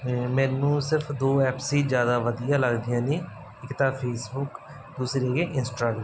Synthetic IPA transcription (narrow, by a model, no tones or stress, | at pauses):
mɛ̃ːnũːsɪɾpʰd̪oːɛːpsiːd͡ʒjaːd̪aːʋəd̪ijãːləɡd̪ijãːniː | ɪkt̪ãːpʰeːsbʊk | d̪uːsɾeːɡeːʔɪnsʈaːɡɾə̃